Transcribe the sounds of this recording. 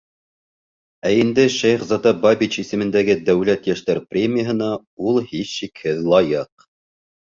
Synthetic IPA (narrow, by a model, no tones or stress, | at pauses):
æind̪ɘʃæjχzɑt̪ɑbabʲit͡ɕisɘ̆mɘ̆nd̪æɡɘd̪æwlæt̪jæʃt̪æɾprʲemʲɪjəɦɤ̆nɑ | ulˠhiʃːikhɘðlˠɑjɤq̚